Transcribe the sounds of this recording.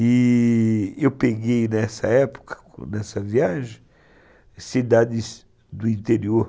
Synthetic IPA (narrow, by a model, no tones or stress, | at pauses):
i | ewpeɡejnɛsɐ̰ɛpo̥kʰɐ̥̰ | nɛsɐviaʒẽj | sid̪ad̪ɪz | d̪ʊĩnt̪eɾioɾ